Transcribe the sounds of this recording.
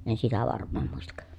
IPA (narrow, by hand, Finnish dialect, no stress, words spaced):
en sitæ ʋɑrmˑɑːm muistɑk